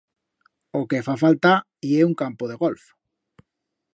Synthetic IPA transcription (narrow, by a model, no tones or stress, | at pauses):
okefafalt̪a | ieuŋkampoðeɣolf